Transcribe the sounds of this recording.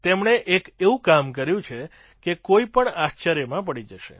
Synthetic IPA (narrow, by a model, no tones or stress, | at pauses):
t̪emɳeʔekeũkamkəɾjũt͡ʃʰe | kekoipəɳast͡ʃaɾjəmãp̬əɽid͡ʒəʃḛ